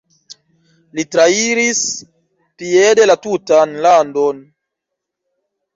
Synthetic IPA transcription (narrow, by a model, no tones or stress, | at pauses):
litɾaiɾis | piedelatutanlandon